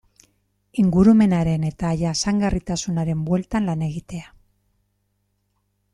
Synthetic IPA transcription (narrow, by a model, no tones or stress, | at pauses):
iŋɡuɾume̞naɾe̞ne̞t̪aːjasaŋɡarit̪asunaɾe̞mbwe̞lt̪anlane̞ɣ̞it̪e̞a